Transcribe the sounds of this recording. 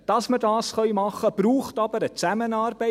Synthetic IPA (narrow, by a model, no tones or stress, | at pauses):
d̥ɑsmədɑːsχœʏmɑχəb̥ruːχtɑbəɾət͡sæmənɑːrbɛ